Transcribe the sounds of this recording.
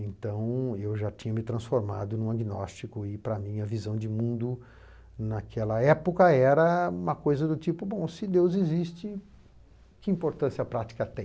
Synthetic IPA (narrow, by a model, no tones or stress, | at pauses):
ẽnt̪ɐ̃w̃ewʒat͡ʃĩɲɐmɪt̪ɾɐ̃sfoɾmad̪ʊnũɐɡinɔ̰st͡ʃikʊɪpɾɐmĩɲɐvizɐ̃w̃d͡ʒɪmũnd̪ʊ | nakʰɛlɐɛpokɐɛɾɐũmɐkojzɐd̪ʊt͡ʃipʊbõw̃sɪd̪ewzɪzist͡ʃɪ | kɪĩpoɾt̪ɐ̃siɐpɾat͡ʃi̥kɐt̪ẽj̃